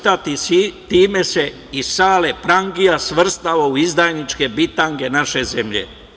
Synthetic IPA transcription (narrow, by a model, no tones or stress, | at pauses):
t̪at̪isit̪iːme̞se̞ | isaːle̞pɾaŋɡijasʋr̩st̪aʋauizd̪ajnit͡ʃke̞bit̪aŋɡe̞naʃe̞ze̞mʎḛ